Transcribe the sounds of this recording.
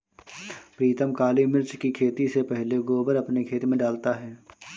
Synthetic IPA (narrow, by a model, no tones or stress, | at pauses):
pɾiːt̪əmkaːlimɪɾt͡ʃkikʰeːt̪isepɛɦleɡoːbəɾɐpnekʰeːt̪imẽɖaːlt̪aɦɛː